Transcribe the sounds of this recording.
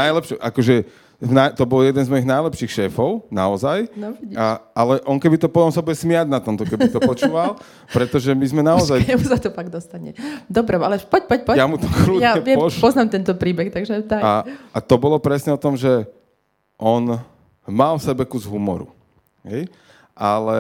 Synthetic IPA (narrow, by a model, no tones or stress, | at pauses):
najlɛpʃɔʔakɔʒɛ | najt̪ɔbɔljɛd̪ɛnzmɔjiɣnajlɛpʃiːxʃɛːfɔʊna̰ɔzajnɔiaalɛʔɔnkɛbit̪ɔpɔt̪ɔmsabujɛsmɪaɟnat̪ɔmt̪ɔkɛbit̪ɔpɔt͡ʃuːʋal | pɾɛt̪ɔʒɛmizmɛnaɔzajɛmusat̪ɔfaɡd̪ɔst̪aɲɛ̰d̪ɔbɾɛalɛpɔc̚pɔcpɔjamut̪ɔkɾuːjaɛʋjɛpɔznaːmt̪ɛnt̪ɔpɾiːbɛxt̪aɡʒɛd̪aaat̪ɔbɔlɔpɾɛsɲɛɔt̪ɔmʒɛ | ʔɔn | malfsɛbɛkuzɦumɔ̰ɾṵ | ɦɛj | ʔalɛ